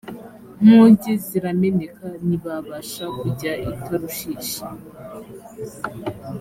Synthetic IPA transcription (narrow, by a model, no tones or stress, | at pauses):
muːɲɟeziɾame̞nekaniβaβaʃakuɟaitaɾuʃiːʃa